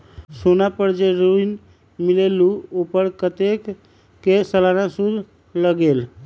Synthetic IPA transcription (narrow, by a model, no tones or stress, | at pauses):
sonapəɾd͡ʒeɾuin | mileluopəɾkət̪ekː | esəlanasud̪ʱ | ləɡel